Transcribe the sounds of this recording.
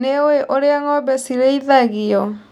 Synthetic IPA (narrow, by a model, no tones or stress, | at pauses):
eoeʔoɾeaŋɔbɛsiɾeiðaɣiɔ